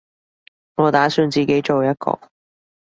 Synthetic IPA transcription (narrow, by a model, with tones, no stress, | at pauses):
ŋɔː˨˧t̪aː˨˥syː˧nt͡siː˨˩ke˨˥jt͡ʃo˨wjɐ˥t̚kɔ̰ː˧